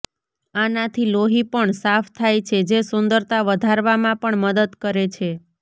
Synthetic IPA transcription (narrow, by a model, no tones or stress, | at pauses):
anat̪ʰiloɦipəɳsaft̪ʰajt͡ʃʰed͡ʒesʊnd̪əɾt̪aʋəd̪ʱaɾʋamãpəɳməd̪əd̪kəɾet͡ʃʰe